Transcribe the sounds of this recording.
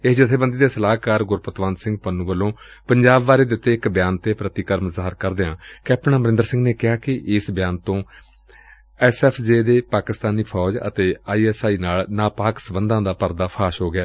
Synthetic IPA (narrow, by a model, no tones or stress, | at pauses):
ɪsd͡ʒɪt̪ʰːeːbənd̪iːd̪eːsəlaːkaːɾɡʊɾpət̪ʋãːnsɪ̃ŋɡpənũːʋəlõː | pəɲd͡ʒaːbʋaːɾeːd̪eɪʊt̪ːeːɪkbjaːnt̪eːpɾət̪iːkəɾmzaːəɾkəɾd̪eãːkɪapnaːməɾɪ̃nd̪ɾsɪ̃ŋɡneːkɪaːkɪʔɪsbjaːnt̪õː | ɛːsɛːpʰd͡ʒeːd̪eːpaːkɪst̪aːniːpʰɔːd͡ʒə̰t̪eːaːiːɛːsaːiːnaːlnaːpaːksəbənd̪ãːd̪aːpəɾd̪aːpʰaːʃɦoːɡɪaː